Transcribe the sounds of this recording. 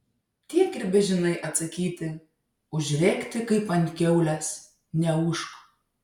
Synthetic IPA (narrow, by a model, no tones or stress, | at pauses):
t̪ʲiɛkɪɾʲbʲɛʒʲɪnɐɪʔɐt̪sɐkʲiːt̪ʲɪ | ʊʒʲɾʲeːkt̪ʲɪkɐɪpɐnʲt̪ʲkʲɛʊlʲɛs | nʲɛuʃko̥